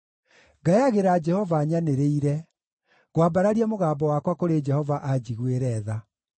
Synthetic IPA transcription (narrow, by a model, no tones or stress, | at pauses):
ɡaeaɣeɾad͡ʒɛhɔvaɲaneɾeiɾɛ | ɣwabaɾaɾiɛmoɣaːbɔwakwakoɾed͡ʒɛhɔvaʔad͡ʑiɣweɾɛːða